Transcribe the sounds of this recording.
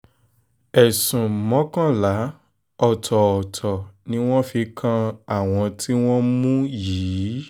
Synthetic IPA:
ɛ˨sũ˨mɔ̃˨˦kã˦la˨˦ | ɔ˨tʰɔ˨ɔ˨tʰɔ˨nĩ˨˦w̃ɔ̃˦fi˧kʰã˧a˦˨w̃ɔ̃˧tʰi˦w̃ɔ̃˦mũ˦jiː˨˦

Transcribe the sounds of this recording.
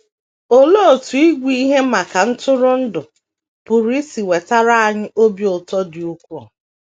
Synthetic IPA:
o˦lo˦o˨tu˨i˦ɡʷi˦i˦ɦe˦ma˨ka˨n̩˦tʊ˦ɾʊ˦n̩˦dʊ˨ | pʊ˨ɾi˦si˨we˨ta˦ɾa˦a˨ɲɪ˦ʔo˦bjo˨tɔ˦dɪ˨u˦kʷɔ̰˨

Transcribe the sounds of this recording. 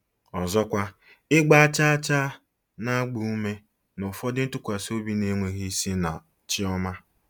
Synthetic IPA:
ɔ˨zɔ˦kʷa˦ | ɪ˦ɡ͡ba˦a˦t͡ʃa˦a˦t͡ʃa˦ | na˦ɡ͡bu˨u˦me˦ | nʊ˨fɔ˦dɪ˦n̩˦tʊ˦kʷa˨so˦bi˦ne˦ŋʷe˨ɦi˦i˦si˦na˨ | t͡ʃɪ˦ɔ˦ma˦

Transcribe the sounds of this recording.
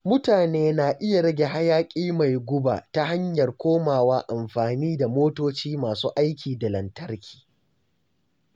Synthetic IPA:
mʊ˦taː˨neː˦na˨ʔɪ˦ja˨ɽɐ˦ɡʲe˨ɦa˦jaː˦kʲʼiː˦ma˨jɡʷʊ˦ba̰ː˨ta˦ha˦ɲjɐ˨rkʷoː˦maː˨waː˦ʔa˨mɸaː˨niː˦da˨moː˦toː˦t͡ʃiː˦maː˨suː˦ʔa˦jkʲiː˨da˨lɐ˨ntɐ˦rkʲʰi̥ː˨

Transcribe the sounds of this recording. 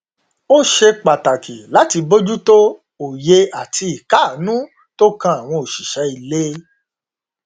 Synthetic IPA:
o˦ʃe˧k͡pa˨ta˨kʰi˨la˨˦ti˧bo˦d͡ʒu˦to˦ | o˨je˧a˨tʰi˧i˨ka˨˦˨nũ˦ | to˦kã˦a˨w̃ɔ̃˧o˨ʃi˨ʃɛ˨˦i˨le˦

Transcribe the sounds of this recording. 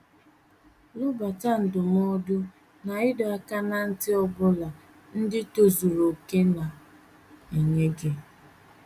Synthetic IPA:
lʊ˦ba˨ta˦n̩˨dʊ˨m˦o˦dʊ˦ | na˨ɪ˦dɔ˨a˨ka˦na˨n̩˦tɪ˦ɔ˦bʊ˦la˨ | n̩˦dɪ˦to˨zu˨ɾo˨ke˦na˨ | e˨ɲe˦ɡe˦

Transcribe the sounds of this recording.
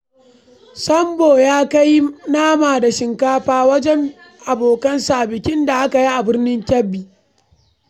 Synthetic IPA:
sɐ˦mboː˨jaː˦ka˦jnaː˦maː˨da˨ʃɪ˨ŋkaː˦ɸaː˦wɐ˦d͡ʒɛ˦ŋ | ʔa˨boː˨kɐ˦nsaː˨bɪ˨kʲɪ˦nda˨ʔa˦ka˨ji˦ʔa˨bɪ˦rnɪ˦ŋkʲɐ˦bːiː˨

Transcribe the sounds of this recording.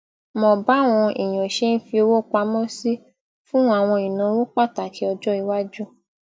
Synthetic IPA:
mɔ̃˨ba˨˦˨w̃ɔ̃˧ʔi˨j̃ɔ̃˨ʃe˦n̩˦fi˧o˧wo˦k͡pa˧˦mɔ̃˦si˦ | fũ˦a˦˨w̃ɔ̃˧i˨nã˨˦wo˦k͡pa˦˨ta˨kʰi˨˦ɔ˧d͡ʒɔ˦i˧wa˦d͡ʒu˦

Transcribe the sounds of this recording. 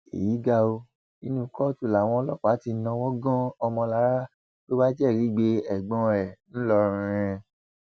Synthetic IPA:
ḛ˨ji˨˦ɡa˧o˧ | i˧nũ˧˦kɔ˦tu˦˨la˨w̃ɔ̃˧lɔ˦k͡pa˨˦ti˧˦nã˧wɔ̃˦ɡɔ̃˦ɔ˧mɔ̃˧la˦ɾa˦ | k͡po˦ba˦d͡ʒɛ˦˨ɾi˨˦ɡ͡be˧ɛ˨ɡ͡bɔ̃˧ɛ˨ñ̩˦lɔ˧ɾ̃ĩ˧ɾ̃ɛ̃˧

